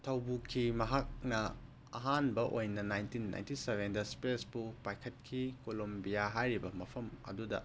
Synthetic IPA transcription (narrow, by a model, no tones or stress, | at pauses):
tʰɐwbukʰimɐɦak̚nɐ | ɐɦanbɐʔojnɐnajntinːa̰jntiseβendɐspesbupajkʰɐt̚kʰikolombijaɦajɾibɐmɐpʰɐmɐ̰dudɐ̰